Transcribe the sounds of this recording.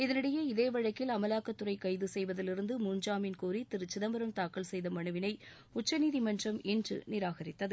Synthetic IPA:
ɪðɐnɪɽɐjeɪðeːʋɐɻɐkːɪlɐmɐlaːkɐt̪ːʊrɐɪkɐɪðɯsɛjʋɐðɪlɪɾɯnd̪ɯmuːɲd͡ʒaːmɪnkuːɾit̪ɪɾɯt͡ʃːɪðɐmbɐɾɐmt̪aːkːɐɭsɛjðɐmɐɳɯʋɪnɐɪ | ʊt͡ʃːɐniːðimɐndrɐmɛndrɯ̰nɪɾaːɣɐɾɪt̪ːɐðɯ

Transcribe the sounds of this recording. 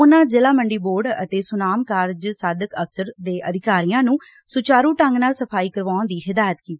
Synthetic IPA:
ʊnãːd͡ʒɪlaːməɳɖiːboːɾɖə̰t̪eːsʊnaːmkaːɾd͡ʒsaːd̪əkəkʰsəɾd̪eːʔəd̪ʱɪkaːɾiːjãːnũː | sʊt͡ʃaːɾuːʈəŋɡnaːlsəpʰaːiːkəɾʋaːnd̪iːɦɪd̪aːjət̪kiːt̪ː

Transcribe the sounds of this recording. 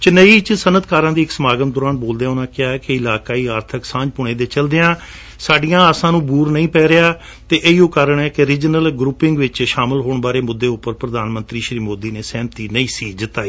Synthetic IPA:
t͡ʃənəiːt͡ʃsənət̪kaːɾãːd̪iːɪksəmaːɡət̪d̪ɔːɾaːnboːld̪eãːʊnãːkɪaːɛːkɪɪlaːkaːiːaːɾt̪ʰəksãːɲd͡ʒpʊɳ̃eːd̪eːt͡ʃəld̪eːãː | saːɖijãːəsãːnũːbuːɾnəĩːpɛːɾeaː | t̪eːʔeioːkəɾəɳɛːkeɾɪd͡ʒnəlɡɾuːpɪ̃ŋɡʋɪt͡ʃʃaːmɪlɦoːɳbaːɾeːmʊd̪ːeːʊpːəɾpɾəd̪aːnmə̃nt̪ɾiːʃɾiːmoːd̪iːneːsɛ̃ːmt̪iːnəĩːsiːd͡ʒt̪aːiː

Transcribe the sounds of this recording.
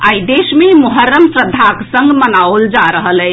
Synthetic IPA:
aid̪esmemuɦəɾːəmsɾəd̪ʱːaksə̃ŋɡmənaold͡ʒaɾəɦəlɛ

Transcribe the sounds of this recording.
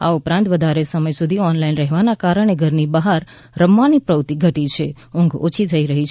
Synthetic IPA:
a̰upɾãnt̪ʋəd̪ʱaɾesəməjsud̪ʱiɔnlainɾəɦʋanakaɾəɳ̃eɡʱəɾnibaɦaɾː | əmːanipɾəwt̪iɡʱəʈit͡ʃʰe | ʊ̃ŋɡʱo̰t͡ʃʰit̪ʰəiɾəɦit͡ʃʰ

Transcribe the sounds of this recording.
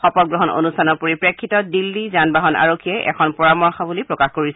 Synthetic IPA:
xɔpɔɡɹɔɦɔno̰nustʰanɔpoɹipɹekʰːitɔdilːizanbaɦɔna̰ɹokʰːijɛʔɛ̰kʰɔnpɔɹamɔɹxɔbulipɹɔkaxkoɹis

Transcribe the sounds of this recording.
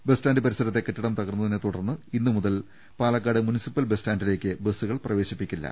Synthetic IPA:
be̞staːndɨpɐɾisɐɾɐt̪ːe̞kːeʈːiɽɐmt̪ɐɣɐrnːɐðinet̪uɽɐrnːɨinːɨmuðɐl | paːlɐkːaːɽɨmunisipːɐlbestaːndile̞ːkʲːɨbesːuɣɐɭprɐʋe̞ːɕipːikʲːilːɐ̰

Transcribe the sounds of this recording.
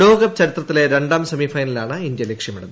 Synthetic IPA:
ɖoːɡɐb̚t͡ɕɐɾit̪rɐt̪ːile̞ɾe̞ɳɖaːmsɐmiːfɐjnɐlaːɳɨind̪jɐlekʂjɐmiɽɐnː

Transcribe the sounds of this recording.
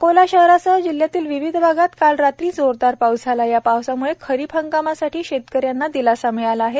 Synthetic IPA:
kolaɕəɦɾasəd͡ʑil̤ːjat̪iːlʋiʋid̪ʱbʱaɡat̪kalɾat̪ɾiːd͡zoɾd̪aɾpaud͡zʱalajapawsamuɭekʰəɾiːpʰəŋkamasaʈʰiːɕet̪kəɾjanːad̪ilasamealaaɦe

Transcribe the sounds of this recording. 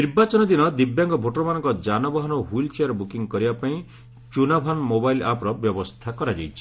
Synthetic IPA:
niɾbat͡ʃɔnɔd̪inɔd̪ibjaŋɡɔbʱoʈɔɾɔmanɔ̃ŋkɔd͡ʒanɔbaɦɔnɔɦuilt͡ʃeaɾbukiŋkɔɾibapaĩ | t͡ʃunabʱanmobajla̰pɾɔbjɔbɔst̪ʰakɔɾad͡ʒajt͡ʃʰi̥

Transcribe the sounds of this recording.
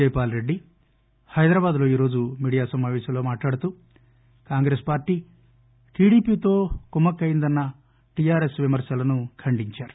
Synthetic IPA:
ejpaːlɾe̞ɖːi | hɐjd̪ɾaːbaːd̪lo̞ːiːɾo̞ːd͡ʒumiːɽijaːsɐmaːʋɛːʃɐmlo̞ːmaːʈlaːɽut̪u | kaːŋɡɾespaːɾʈiː | ʈiːɽiːpiːt̪o̞ːkumɐkɐjind̪ɐnːɐ | ʈijaːɾesʋimɐɾsɐlɐnukʰɐɳɖiɲt͡ʃaːɾu̥

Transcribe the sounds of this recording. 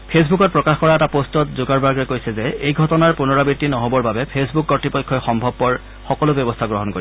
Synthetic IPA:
pʰes̬bukɔt̚pɹɔkaxkɔɹaɛtapostɔtzʊɡaɹbaɹɡɹɛkojsɛzɛejɡʱɔtɔnaɹpunɔɹabitːinɔɦobɔɹbabɛpʰesbukːɔtːipɔjkʰːɔxɔmbʱɔb̚ːɔɹ | xɔkɔlobjɔbɔstʰaɡɹoɦɔnkoɹi

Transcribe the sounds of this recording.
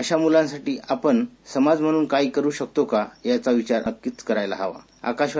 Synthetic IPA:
əɕamulãnsaʈiːʔapəɳsəmad͡zm̤əɽ̃uːnkajikəɾuːɕək̚t̪okajat͡saʋit͡ɕaɾəkːiːt͡skəɾajla̰ɦaʋa̰ | a̰kaɕʋ

